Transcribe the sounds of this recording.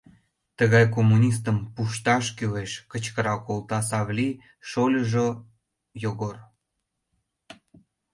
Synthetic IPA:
t̪əɣɑjkomːunʲis̬t̪əmpuʃt̪ɑʃkyleʃkət͡ɕkəɾɑkolˠt̪ɑsɑβlʲi | ʃolʲəʒo | joɣor

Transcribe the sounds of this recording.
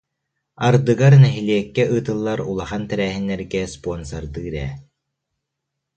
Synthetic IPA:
aɾd̪ɯɡaɾnɛɦiliɛkːɛɯːt̪ɯlˠːaɾulˠaχant̪ɛɾæːɦinːɛɾɡɛspɔɔnsɐɾd̪ɯɾɛ̰ː

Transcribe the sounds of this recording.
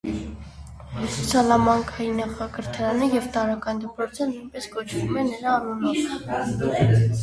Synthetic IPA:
sɔt͡sʰjɑlɑmɑŋkʰɑjinɑχɑkəɾt̪ʰɑɾɑnəjɛvt̪ɑɾɑkɑnd̪əpɾɔt͡sʰənujnpɛskɔt͡ʃʰvumɛnəɾɑːnunɔv

